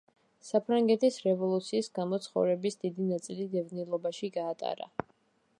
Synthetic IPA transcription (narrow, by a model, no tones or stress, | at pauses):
sapʰɾaŋɡɛt̪ʰisɾɛvɔlˠut̪sʰiːsɡamɔt̪sʰχɔ̰vɾɛbisd̪id̪inat̪sʼilid̪ɛvnilˠɔbaʃiɡaːt̪ʼa̰ɾa̰